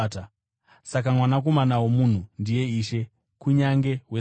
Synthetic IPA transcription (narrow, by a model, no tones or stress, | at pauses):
ta | sak̬amwanak̬o̞manawomun̤undije̞iʃe̞ | kuɲaŋɡe̞ɦwe